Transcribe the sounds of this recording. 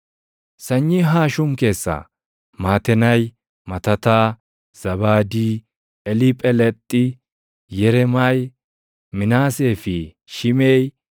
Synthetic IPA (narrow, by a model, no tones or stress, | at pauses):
sɐɲːiɦaːʃʊmke̞ːsːɐ̰ | maːt̪ɛnɐj | mɐt̪ɐt̪aː | z̥ɐβaːd̪iː | ɛlɪpʼɛlɛt̪ʼːɪ | jɛɾɛmaj | mɪnaːseːfɪ | ʃɪmeːj